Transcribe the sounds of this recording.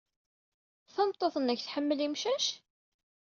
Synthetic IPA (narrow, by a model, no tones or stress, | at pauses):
θəmt̪ˤːoθənæçθħəmːəlimʃæʃ